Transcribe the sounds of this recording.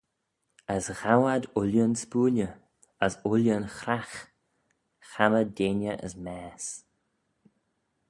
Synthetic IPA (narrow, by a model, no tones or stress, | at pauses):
əsɣawad̪ʊljənspuːlʲjə | əsʊljənxɾax | xamədeːnəʔə̰smɛːs